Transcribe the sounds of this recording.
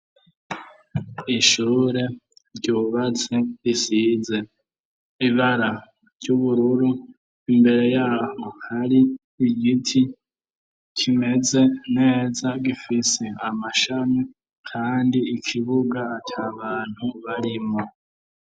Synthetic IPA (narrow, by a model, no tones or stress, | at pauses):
iʃuːɾe̞ɾɟoβat͡seisize̞ | iβaɾa | ɾɟuβuɾuɾu | imbe̞ɾe̞jaːhohaɾiː | ɡitʰi | kʰime̞ze̞ne̞ːzaɡifiseamaʃane | kʰaːndiikʰiβuɡaːtʰaβaːn̥huβaɾimo